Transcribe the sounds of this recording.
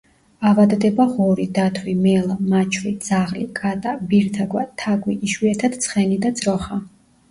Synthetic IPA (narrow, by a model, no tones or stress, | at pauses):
avad̪d̪ɛbaʁɔɾid̪at̪ʰwimɛlˠamat͡ʃʰɾid̪z̥aʁlikʼat̪ʼabiɾt̪ʰaɡwat̪ʰaɡwiiʃwiɛt̪ʰad̪t̪sʰχɛnid̪ad̪zʼɾɔχa